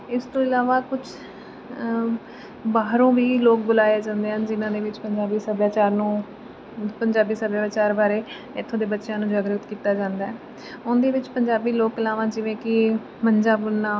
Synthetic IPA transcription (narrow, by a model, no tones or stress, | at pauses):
ɪst̪õːɪlaːʋaːkʊt͡ʃʰ | baːɦɾõːʋiːloːk̚bʊlaːjaːd͡ʒãːnd̪eːɦənd͡ʒɪnãːd̪eːʋɪt͡ʃpəɲd͡ʒaːbiːsəbjaːt͡ʃaːɾnũː | pəɲd͡ʒaːbiːsəbjaːt͡ʃaːɾbaːɾeː | ɪt̪ʰːõːd̪eːbətːʃãːnũːd͡ʒaːɡɾət̪kiːt̪aːd͡ʒãːnd̪aːɛː | ʊnd̪eːʋɪt͡ʃpəɲd͡ʒaːbiːloːklaːʋãːd͡ʒɪʋẽːkɪ | məɲd͡ʒaːbʊlnaː